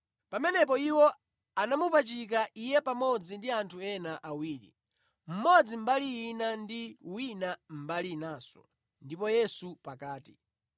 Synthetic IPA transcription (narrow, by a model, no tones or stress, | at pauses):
pamɛnɛp̬ɔiwɔ | anamupat͡ʃik̬aʔijɛpamɔd͡zindiantʰuɛnaʔawiːɾḭ | m̩mɔd͡zim̩baliːnandiwinam̩balinaːsɔ̥̰ | ndipɔjɛsupakaːti̥